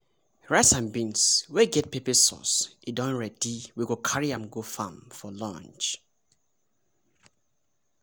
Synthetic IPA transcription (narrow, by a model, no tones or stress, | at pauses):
ɹaɪsãmbĩnsweɡɛt̚pʰepɛsɔ̰sidɔ̃nɹɛdiwiɡokʰaɹiãmɡofãmfɔlɔ̰̃nt͡ʃ